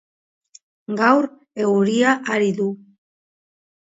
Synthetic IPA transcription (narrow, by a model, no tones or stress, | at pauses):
ɡawɾ | e̞wɾiaʔaɾiðu